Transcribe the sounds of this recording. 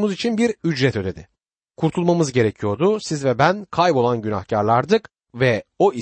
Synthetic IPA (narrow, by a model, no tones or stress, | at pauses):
muzit͡ʃʰinbiɾyd͡ʒɾɛt̪ʰø̞d̪e̞d̪ɪ | kʰuɾt̪ʰulˠmamɯzɟe̞ɾecʰijo̞ɾd̪usizvɛbænkʰajbo̞lˠanɟyna̰xcʰaɾlˠaɾd̪ɯk | vɛo̞i